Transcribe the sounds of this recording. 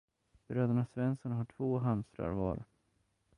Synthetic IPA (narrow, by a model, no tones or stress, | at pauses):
b̥ɾøːd̪aɳasvɛnsənɦaʈʰvoːɦamst̪ɾa̰ɾvɑ̰ːɾ̰